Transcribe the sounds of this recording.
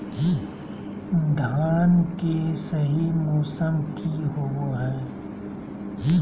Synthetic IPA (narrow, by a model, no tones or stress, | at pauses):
d̪ʱaːnkesɐɦimɔːsəmkiɦoɦɛ̃ː